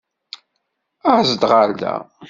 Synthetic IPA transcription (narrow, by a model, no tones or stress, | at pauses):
æzəd̪ʁald̪æ̰